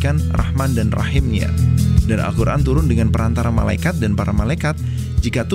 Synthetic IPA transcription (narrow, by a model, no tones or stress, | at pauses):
kanrʔa̰hmandanra̰hɪmɲa̰dana̰lkuɾʔa̰nt̪uɾʊndəŋanpəɾant̪aɾama̰la̰ikat̪̚danpaɾamalaikat̪̚ | d͡ʒikat̪u